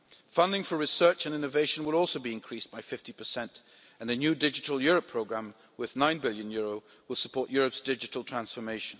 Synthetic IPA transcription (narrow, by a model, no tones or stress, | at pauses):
fʌ̃ndɪ̃ŋfə˞ɹɨsɜ˞t͡ʃɨ̃nɪ̃nɨveɪʃɨ̃n̩wəlˠɔlˠsoʊbiɨ̃nkʰɹ̥isb̥aɪfɪftipʰə˞sɛ̃nt | ɨ̃nɨnjʉdɪd͡ʒɨɾl̩ˠjʊɹəpʰɹ̥oʊɡɹæ̃m | wɪðnãɪ̃nbɪlˠjɨ̃njʊɹoʊ | wəlˠsəpʰɔɹʔjʊɹəpsd̥ɪd͡ʒɨɾl̩ˠtʰɹ̥æ̃nsfə˞meɪʃɨ̃n̩